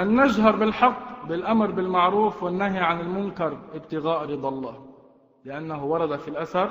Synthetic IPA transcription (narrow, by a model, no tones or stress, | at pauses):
ʔanːaʒɦɑɾˤbɪlħɑqːbɪlʔamɾbɪlmaʕɾuːfwɪnːaːɦiʕanɪlmʊŋkɑɾˤʔɪb̚t̪ɪɣaːʔɾɨd̪ˤɑlˤːɑː | lɪʔanːaɦʊwɑɾˤɑd̪afilʔasɑɾˤ